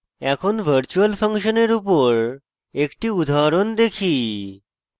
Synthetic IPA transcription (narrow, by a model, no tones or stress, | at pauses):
ɛkʰonbʱəɾt͡ɕualpʰəŋʃoneɾupoɾ | ekʈiud̪ʱaɾond̪ekʰi